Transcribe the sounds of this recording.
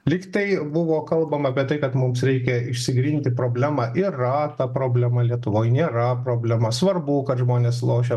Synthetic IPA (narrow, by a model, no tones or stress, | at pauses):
lʲɪkt̪ɐɪbʊʋoːkɐlˠbɐmɐpʲiɛt̪ɐɪkɐt̪mʊmsɾʲɛɪkʲɛɪʃʲsʲɪɡɾʲiːnʲt̪ʲɪpɾoːbʲlʲæmɑːʔɪrɐt̪ɐpɾoːbʲlʲɛmɐlʲiɛt̪ʊʋoːjnʲeːɾɐpɾoːbʲlʲɛmɐsʋɐrbuːkɐt̪ʒmoːnʲeːslˠoːʃʲe